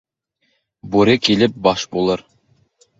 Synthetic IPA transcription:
boɾɪkʲʰelɪp̚bɑʃbolˠɨɾ

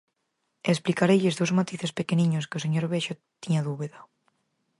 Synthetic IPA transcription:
esplikaɾeʎezðowzmat̪iθespekeniɲoskeoseɲoɾβeʃo | t̪iɲaðuβiða

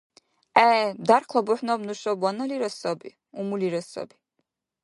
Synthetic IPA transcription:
ɛd̪aɾkʰlˠɔbuħnɔbnuʃɔbwanɔliɾɔsɔbḭ | umuliɾɔsɔ̰bi

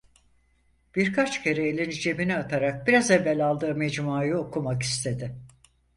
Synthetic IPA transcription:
b̥iɾkʰat͡ʃcʰe̞ɾeːlʲind͡ʒe̞biniat̪ʰaɾak̚biɾazevːælʲalˠd̪ɯːmɛd͡ʒmaːjɯokʰumaki̥st̪ʰe̞d̪ɪ

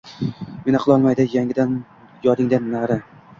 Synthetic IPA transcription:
menaqʰɨlˠɒlˠmajd̪ɪjaŋʲɪd̪an | jɒd̪ɪŋd̪anːaɾa

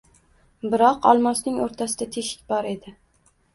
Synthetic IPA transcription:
bɪɾɒqɒ̰lˠmɒsnɪŋoɾt̪ʰasɪd̪at̪ʰeʃɪ̥k̚ʲbɒɾe̞d̪ɪ

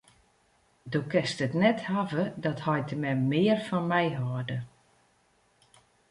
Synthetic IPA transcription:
doːkɛstətnɛthavədɔthɔjtʰəmɛmɪːərfɔnmɛjɦɔːdə

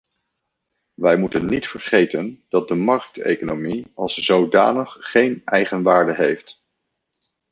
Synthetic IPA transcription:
ʋɛjmutənːitfəɹχejtənd̥ɑt̚dəmɑɹk̚tḛjkonomiɑlˠszowda̰ːnəχːejnɛjχənʋaːɹdəɦejft

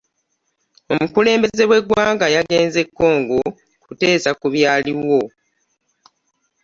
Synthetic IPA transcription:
o̞mukule̞ːmbe̞ze̞we̞ɡwaːŋɡajaɡe̞ːnze̞kːo̞ːŋɡo | kute̞ːsakuβjaːliwo̞

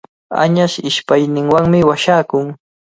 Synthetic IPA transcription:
a̰ɲaʃɪʃpajnɪŋwaŋmɪwaʃaːkʊŋ

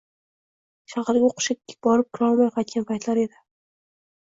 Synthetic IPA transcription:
ʃɑhɑɾɡʲaoqʃɪk̚ʲːbɒɾɪp̚kʲʰʊɾɒlˠmajqɑt̪̚kʲanpʰajt̪laɾe̞d̪ɪ

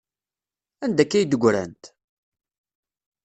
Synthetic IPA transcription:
ænd̪ækːæjd̪əɡʷɾæ̰nt̪

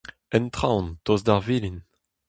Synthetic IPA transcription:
ɛnt̪χawntozdaʁvilin

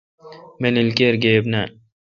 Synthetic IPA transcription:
menilkeɾɡeːbna

